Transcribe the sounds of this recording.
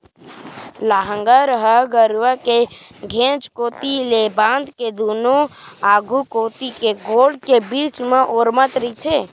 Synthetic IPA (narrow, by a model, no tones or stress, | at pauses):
laːɦə̃ŋɡəɾəɦəɡəɾʋəke | ɡʱẽːt͡ʃkoːt̪ileːbãːnd̪ked̪uːnoaːɡʱukoːt̪ikeɡoːɖkebiːt͡ʃmẽʔoːɾmət̪ɾit̪ʰeː